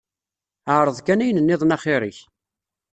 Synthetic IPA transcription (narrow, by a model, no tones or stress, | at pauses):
əʕɾˤəðˤkænæjnənːɪðˤnɑχeɾiç